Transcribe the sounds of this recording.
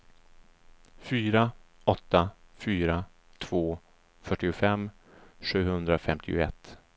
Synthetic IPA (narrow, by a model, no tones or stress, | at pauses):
fyːɾaɔt̪ːafyːɾa | t̪ʰv̥oː | fœʈːɪʊfɛmː | ɧʉ̟ːhɵnd̪ɾafɛmt̪ʰɪ̰ʊ̰ɛ̰t̪ː